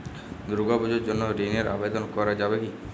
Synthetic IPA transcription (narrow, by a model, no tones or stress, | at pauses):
d̪ɾuɡɔbɔd͡ʒoɾd͡ʒonːoɾeneɾa̰bed̪ɔnkɔɾad͡ʒabeki